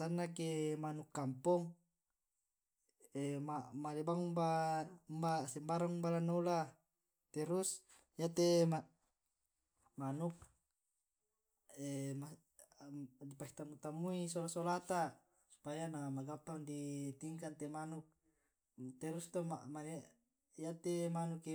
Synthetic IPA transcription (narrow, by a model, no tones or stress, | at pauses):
sanːakemanukːampɔŋ | emamalebaŋmbambasɛmbaɾaŋumbalanːula | t̪ɛɾus | jat̪ema | manuk̚ | ema | dipaki̥t̪amut̪amuisolasolat̪a | su̥pajanamaɡat̪aundit̪iŋkant̪emanuk̚ | t̪eɾust̪omamale | jat̪emanuki